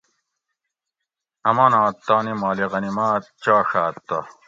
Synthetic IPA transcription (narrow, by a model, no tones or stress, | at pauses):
ɐmaːnãːt̪ːaːnimaːliʁɐnimaːt̪̚t͡ɕaːʂaːt̪ːɐ